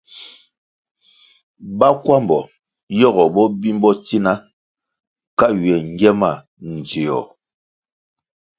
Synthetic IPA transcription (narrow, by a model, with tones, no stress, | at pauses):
ba˦kwa˦mbɔ˨ | jɔ˦ɣɔ˨bɔ˦bi˦mbɔ˦ti˦na˦ | ka˦ɥɛ˨ŋ˦ɡɛ˦ma˦˨ | n̩˨d͡zi˨jɔ̰˨